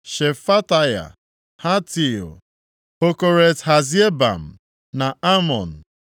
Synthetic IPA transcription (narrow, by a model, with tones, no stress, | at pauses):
ʃe˨fa˦ta˦ja̰˨ | ha˦ti˨o̰˨ | o˦ko˨ɾe˨tha˨zi˦e˦ba̰˨m̩˨ | na˨a˦mɔ˨n̩˨